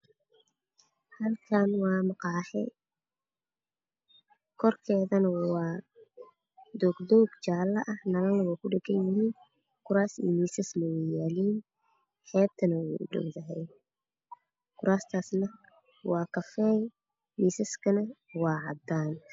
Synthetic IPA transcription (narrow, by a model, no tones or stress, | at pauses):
hɐlkʰaːnwɑːmɑqɑːħɛ̰ | kʰɔrkʰɛːðɐnɐwɑː | d̪ɔːɡd̪ɔːɡt͡ʃaːlɐʔɐhnɐɣɐnlɐwaːkʰʊɖɛɡɐnjɪhiːn | kʰʊɾaːsḭmiːsɐslɔwɛjaːliːn | ħɛːb̚t̪ʰɐnɐwɛːʔʊɖɔ̰wðɐɦɛj | kʰʊɾaːst̪ʰaːsnɐ | wɑːkʰɐfɛːj | miːsɐskʰɐnɐwɑːʕɑd̪aːn